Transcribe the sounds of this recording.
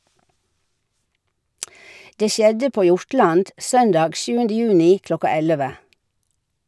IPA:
ˈdeː ˈʃjɛdə ˈpoː ˈjʊɹˌʈlɑnd ˈsœndɑːɡ ˈʃjʉːəndə ˈjʉːnɪ ˈklɔkɑ ˈɛləʋə

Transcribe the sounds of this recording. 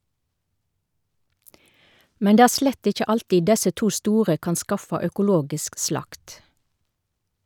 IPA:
ˈmɛn ˈdeː ˈæː ˈʃlɛt ˈɪc͡çə ˈɑltiː ˈdɛsə ˈtuː ˈstuːʁə ˈkɑn ˈskɑfɑ œkʊˈloːɡɪsk ˈslɑkt

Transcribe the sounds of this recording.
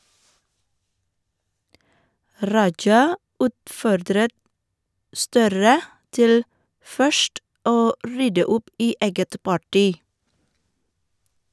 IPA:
ˈɾɑd͡ʒɑ ˈʉːtˌfɔɾdɾət ˈstœɾə ˈtɪl ˈfœʃʈ ˈoː ˈɾʏdə ˈʊp ˈiː ˈeːɡət ˈpɑˌʈiː

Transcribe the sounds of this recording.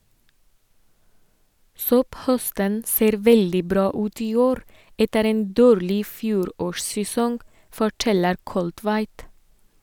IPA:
ˈsɔpˌhœstən ˈseːɾ ˈʋɛldɪ ˈbɾɑː ˈʉːt ˈiː ˈoːɾ ˈɛtəɾ ˈeːn ˈdoːɾlɪ ˈfjuːɾoːʃsɛˌsɔŋ fɔˈʈɛləɾ ˈkɔltʋæɪt

